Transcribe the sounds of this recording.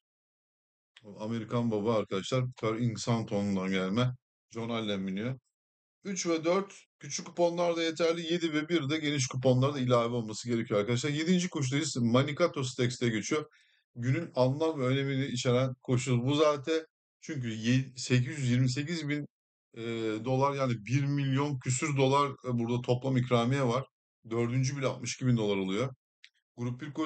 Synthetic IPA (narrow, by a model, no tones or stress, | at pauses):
ame̞ɾikʰanbabaːɾkʰad̪aʃlˠaɾk̪ʰaɾinsant̪ʰo̞nund̪anɟælʲmɛ | d͡ʒo̞nalʲːænminyjo | yt͡ʃvɛd̪øɾt̪cʰyt͡ʃʰykːu̥po̞nlˠaɾd̪aje̞t̪ʰæɾlʲije̞d̪ivɛbiɾd̪ɛɟe̞niʃ̬kup̬o̞nlˠaɾd̪ailʲaːvio̞lˠmasɯɟe̞ɾecʰioaɾkad̪aʃ̬lˠaɾje̞d̪ind͡ʒikʰo̞ʃ̬ud̪ajɯzmanikat̪ʰo̞s̬t̪ʰɛcst̪ʰɛɟøt͡ʃʰyjo | ɟynynalˠlˠanvɛøne̞miniit͡ʃʰe̞ɾænkʰo̞ʃubuzaːt̪ʰɛ | t͡ʃʰyɲk̬yjse̞cʰizjyzjiɾmis̬e̞cizbinː | d̪o̞lˠaɾjaːnibiɾmilʲjo̞ncʰysyɾd̪o̞lˠaɾbuɾd̪at̪ʰo̞plˠamicɾaːmijɛvaɾ̥ | d̪ø̞ɾd̪ynd͡ʒybilʲat̪mɯʃi̥cʰibind̪o̞lˠaɾo̞lˠujo̞ | ɡ̥uɾup̚biɾko